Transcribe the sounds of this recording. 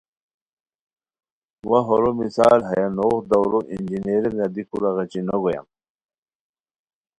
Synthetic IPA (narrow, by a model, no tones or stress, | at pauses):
waɦoɾomisa̰ːlɦɐjanoːxd̪awɾoʔind͡ʑineɾeɾnad̪ikʰuɾaɣɐt͡ɕinoɡoja̰m